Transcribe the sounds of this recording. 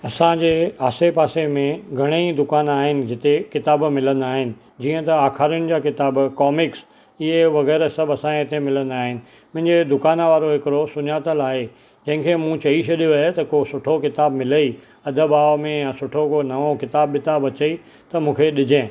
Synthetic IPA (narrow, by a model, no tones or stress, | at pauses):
ɐsãd͡ʑeːaːsepaːsemẽɡʱɐɽ̃eid̪ʊkaːnaːɦɪnɪ̆d͡ʑɪt̪ekɪt̪aːbmɪlə̃nd̪aːɦɪnɪ̆ | d͡ʑiːə̃t̪ɐaːxʰaːɾijʊnɪ̆d͡ʑaːkɪt̪aːbkɔːmɪks | ɪɦeʋɐɣɛːɾsɐbɐsãɪt̪emɪlə̃nd̪aːɦɪnɪ̆ | mʊ̃ɦɪ̃ɲd͡ʑed̪ʊkaːnʋaːɾoɦɪkɪɾosʊɲaːt̪əlaːɦe | d͡ʑɐ̃ɦɪ̃kʰemũt͡ɕɐiʃʰɐɗjoaːɦet̪ɐkosʊʈʰokɪt̪aːbmɪləi | ɐd̪ʱəbaːʋmẽjãsʊʈʰokonɐʋokɪt̪aːbːɪt̪aːbʋɐt͡ɕəi | t̪ɐmũːkʰeɗɪd͡ʑʱẽː